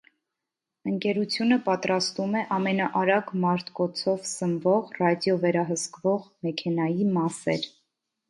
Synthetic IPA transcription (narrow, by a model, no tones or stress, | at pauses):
əŋkɛɾut͡sʰjunəpɑt̪ɾɑst̪umɛʔɑmɛnɑʔɑɾɑɡmɑɾt̪ʰkɔt͡sʰɔvsəmvɔʁrɑd̪jɔvɛɾɑɦəskvɔʁmɛkʰɛnɑjimɑsɛɾ